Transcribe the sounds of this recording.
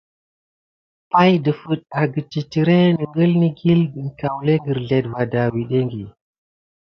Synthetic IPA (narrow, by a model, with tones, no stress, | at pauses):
pa˦jdə˨fu˨ɗ̚a˨ɡə˨t͡ʃi˨ti˨ɾe˦nə˨ŋɡə˦lni˦ɡi˦lɡə˨nka˨wle˦ŋɡə˨ɾɮe˨dva˨da˨wi˨ɗe˦ŋɡi˨